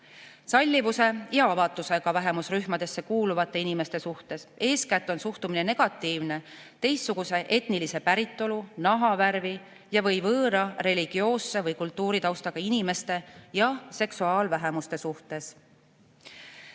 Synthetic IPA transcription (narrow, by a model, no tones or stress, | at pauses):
sɑlʲːivuse̞jɑɑvɑt̪ːˑuse̞ɡ̥ɑvæɦemusryhmɑd̪e̞sːe̞kuːluvɑt̪ːˑe̞inime̞st̪e̞suht̪e̞se̞ːskæt̪ːˑo̞nsuht̪umine̞ne̞ɡ̥ɑt̪ːˑiːvne̞ | t̪e̞jsːuɡ̥use̞ʔe̞t̪nilise̞pæɾit̪ˑːo̞lunɑɦɑværvi | jɑvɤ̞jvɤːɾɑre̞lʲiɡ̥io̞ːsːe̞vɤjkult̪ːˑuːɾit̪ɑwst̪ɑɡ̥ɑinime̞st̪e̞jɑse̞ksuɑːlvæɦe̞must̪e̞suht̪e̞s